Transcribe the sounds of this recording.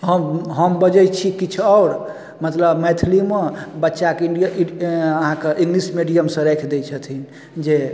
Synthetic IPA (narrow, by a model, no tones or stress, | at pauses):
ɦəmɦəmbəd͡ʒət͡ʃʰikit͡ʃʰɔʊɾ | mət̪ləbmɛt̪ʰlimebətːʃakiɖij | əɦãkeʔĩŋɡlismiɖijəmsə̃ɾɛkʰd̪et͡ʃʰət̪ʰin | d͡ʒe